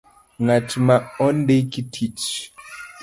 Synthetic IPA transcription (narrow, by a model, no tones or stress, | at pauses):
ŋatimaɔndekitʰit͡ʃ